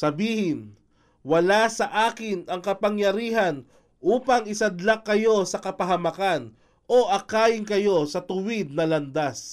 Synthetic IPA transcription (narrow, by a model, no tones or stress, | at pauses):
sɐbiːhɪn | wɐlasɐʔaːkɪnɐŋkɐpɐŋjɐɾiːɦɐn | ʔuːpɐŋɪsɐd̪lakːɐjo̞sɐkɐpɐɦɐmɐkan | ʔo̞ʔɐkaːɪŋkɐjo̞sɐt̪ʊwɪd̪̚nɐlɐnd̪as